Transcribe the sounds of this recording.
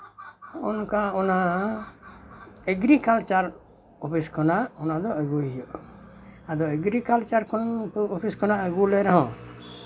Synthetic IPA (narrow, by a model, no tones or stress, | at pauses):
ṵnkaɔna | eɡɾikalt͡ʃaɾ | ɔpʰiskʰɔnaɔnad̪ɔəɡuiɔʔ | ad̪ɔeɡɾikalt͡ʃaɾkɔɔpʰiskɔnaəɡulɛɾɔɦɔ̃